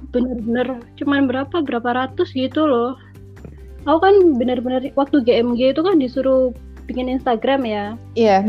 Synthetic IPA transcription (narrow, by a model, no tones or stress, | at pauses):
b̥ənərbənərt͡ʃəmanbəɾapabəɾapaɾat̪ʊsɡit̪ulɔh | aukanbənərbənərwak̚t̪uɡeɛmɡeit̪ukandisuɾu | bikɪninst̪aɡɾamjaija